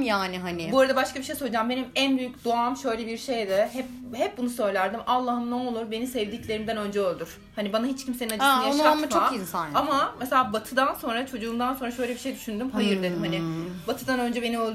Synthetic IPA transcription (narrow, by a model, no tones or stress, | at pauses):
jaːnɪɦanɪboɾad̪abaʃkabiʃejso̞lˠud͡ʒambenimænbyjycd̪oamʃø̞jlʲɛbiɾʃejd̪ɛɦɛp̚hɛp̚bunusø̞jlʲæɾd̪imalˠːahɯmnɛolˠuɾbe̞nisɛvd̪iclʲe̞ɾimd̪ænø̞nd͡ʒɛølʲd̪yɾ̥ | hanibanaɦit͡ʃcʰimse̞ninad͡ʒɯmajaʃatmt͡ʃmʰainsanamameselʲaːbat̪ʰɯd̪anso̞nɾat͡ʃʰo̞d͡ʒuːmd̪anso̞nɾaʃø̞jlʲebiʃejd̪yʃynd̪ymhajɯɾd̪ed̪imhanɪbat̪ʰɯd̪anø̞nd͡ʒɛbeniølʲˠ